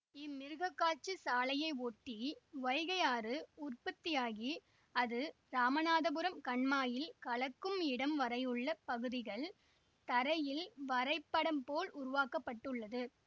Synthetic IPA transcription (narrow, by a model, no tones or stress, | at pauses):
ɪmːɪɾɯɣɐkːaːt͡ʃːɯsaːlɐjɐɪoːʈːiʋɐjɣɐjaːrɯʊrpɐt̪ːɪjaːɣi | ɐðɯ | ɾaːmɐnaːðɐbɯɾɐmkɐɳmaːjɪlkɐɭɐkːɯmɪɽɐmʋɐɾɐjɯɭːɐpɐɣɯðɪɣɐɭ | t̪ɐɾɐjɪlʋɐɾɐɪpːɐɽɐmpoːlʔʊɾʊʋaːkɐpːɐʈːɯɭːɐðɯ